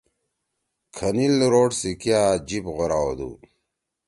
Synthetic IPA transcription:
kʰɐnilɾoːʈsikijad͡ʑipʁoɾaod̪ṵ

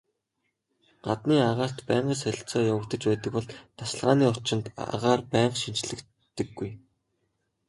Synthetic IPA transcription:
ɢ̥at̪niːaʁaːr̥t̪pæːɴɢə̆sæɾ̆ʲɬt͡sɔːjawə̆kt̪ə̆t͡ɕpæːt̪ə̆kpɔɮt̪ʰasɮʁaːniːʊrt͡ɕɪ̆nt̪ʁaːrpæːɴɢʃint͡ɕɮɘ̆k | t̪ːɘ̆ɡːuj

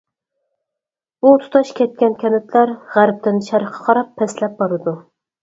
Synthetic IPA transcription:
b̥ut̪ʰu̥t̪ʰɑʃkʲʰɛt̪̚kʲɛnkʲʰɛnɪt̪ʰlæɾʁæɾp̚t̪ɪnʃæɾqʰɑ̥qʰɑɾɑpʰːɛslɛp̚bɑɾɨd̪u

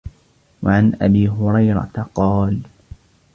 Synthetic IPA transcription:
waʕanʔabiːɦʊɾɑjɾɑ̰t̪qɑːl

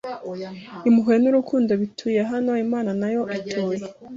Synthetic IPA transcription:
imuɦwe̞nuɾukʰuːndo̞βitʰuːjeɦano̞imaːnanajo̞ʔitʰuːje

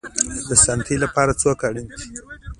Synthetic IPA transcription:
d̪əsant̪ʰilapɑɾat͡sokaɽint̪i̥

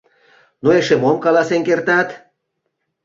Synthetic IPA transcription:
noeʃemomkɑlɑsenkert̪ɑt̪

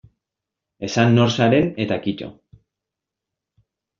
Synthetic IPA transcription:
e̞sanːo̞ɾsaɾe̞ne̞t̪akit͡ʃo̰

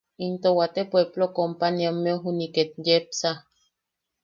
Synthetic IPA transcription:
int̪owat̪epweblokompaniamːeoɦuniket̪̚jep̚sa

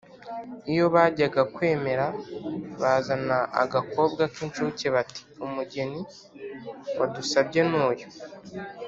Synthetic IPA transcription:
ijo̞βaːɟaɡakwe̞ːme̞ɾaβaːzanaʔa̰ɡako̞bɡakint͡ʃuːceβati̥umuɟe̞ni | wadusabɟe̞nuːjo

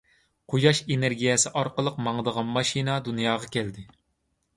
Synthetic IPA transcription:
qʰojɑʃeneɾɡʲijɛsɪʔɑɾqəlˠəq̚mɑŋd̪əʁɑnmɑʃinɑd̪unjɑːʁɑkʲʰɛld̪ɪ

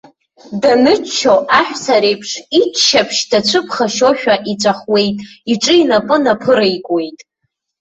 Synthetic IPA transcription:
danɨt͡ʃːʰowʔaħʷᶣsaɾejpʰʂit͡ʃʃapʰʃdat͡ɕʷʰɨpʰχaʃoʃᶣaʔit͡ʃʷʼaχwe̞jtʼiʈ͡ʂʼɨinapʼɨnapʰɨɾajkʷʼe̞jtʼ

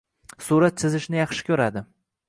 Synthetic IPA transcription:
suɾat̪sɪzɪʃnɪjɑχʃɪ̥kʲʰɵɾad̪ɪ

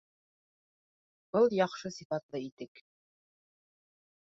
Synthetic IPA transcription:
bɤlˠjɑχʃɤsʲifɑt̪lˠɤit̪ɘk

